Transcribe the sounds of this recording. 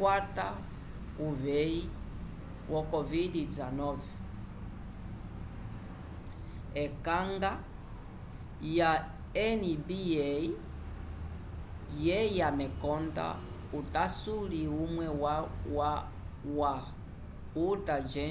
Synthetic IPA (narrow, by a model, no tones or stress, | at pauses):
wata | uβɛi | wʔɔkɔvidizanɔvɛ | ɛkaŋɡa | ja | ɛnibiɛi | jɛjamɛkɔnda̰ | utasuliumwɛwawa | wa | utad͡ʒɛ